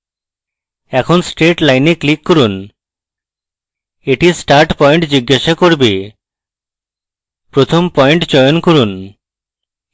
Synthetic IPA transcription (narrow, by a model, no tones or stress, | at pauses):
ɛkʰonsʈɾeʈlajneklikːoɾun | eʈisʈaɾʈpɔjɳʈd͡ʑiɡːaʃakoɾbe | pɾot̪ʰompɔeɳʈd͡ʑɔjonkoɾun